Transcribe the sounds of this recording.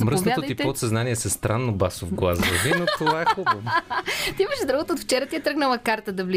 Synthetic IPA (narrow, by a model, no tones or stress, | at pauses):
mɾəsvnoat̪od̪j̪ip̪ɛot̪sɐznaniɛsɐst̪ɾanːobasovɡlˠazɐvinot̪ovvaɛxuo | t̪iiməʃzd̪ɾavot̪əot̪ft͡ʃɛɾət̪iɛt̪ɾəɡnəlˠɐkaɾt̪əd̪ɐvlʲi